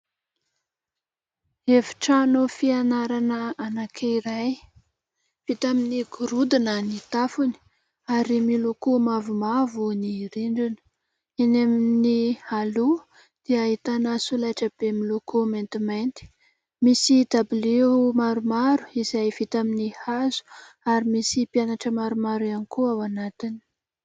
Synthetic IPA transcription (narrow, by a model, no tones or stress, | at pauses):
evi̥ʈ͡ʂanufianaɾanəanakʰeiɾaj | v̥it̪aminiɡuɾud̪inənit̪afuni̥ | aɾimilokumavumavuniɾiɳɖ͡ʐinə̥ | enemnihalu | d̪̥eait̪anasulajʈ͡ʂəb̥emilokument̪iment̪i̥ | misid̪ablimaɾumaɾu̥izajv̥it̪aminihazu̥ | aɾimisipjanaʈ͡ʂəmaɾumaɾanikuawanat̪ini̥